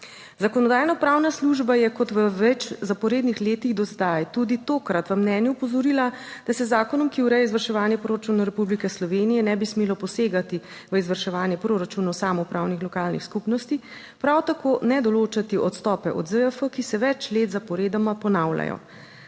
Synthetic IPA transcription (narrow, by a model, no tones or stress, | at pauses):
zakɔnɔd̪aːjnɔpɾawnasluʒbajɛkɔt̪ʋəʋɛt͡ʃzapɔɾeːd̪nixleːt̪iɣd̪ɔzd̪ajt̪ud̪it̪oːkɾat̪ʋəmnɛːnjuːpɔzɔɾilad̪̥asɛzaːkɔnɔmkiuɾɛjɛizʋəɾʃɛʋaːnjɛpɾoɾat͡ʃunawɾɛpublikɛslɔʋeːnijɛnɛbismeːlɔpɔseːɡat̪i | ʋəizʋəɾʃɛʋaːnjɛpɾoɾat͡ʃuːnasaːmɔpɾʔawnixlɔkaːlnḭxskupnɔst̪i | pɾawt̪akoːnɛd̪ɔloːt͡ʃat̪iʔɔt̪st̪ɔːpɛʔɔ̰d̪zəəfəkisɛʋɛt͡ʃleːt̪zapɔɾeːd̪amapɔnawla̰jɔ̰